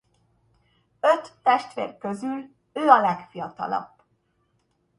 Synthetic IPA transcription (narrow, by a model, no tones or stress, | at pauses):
øt̪ːɛʃt̪ʋḛːrkøzyl | øːɒlɛkfijɒt̪ɒ̰lɒ̰b̥